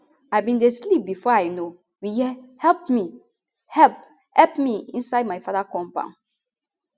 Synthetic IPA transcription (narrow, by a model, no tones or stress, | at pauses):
aɪbĩndeslip̚bifɔajno | wihɛlpmi | hɛp | hɛlpmiĩnsaɪd̚majfaðakɔ̃mpã̰ʊ̃n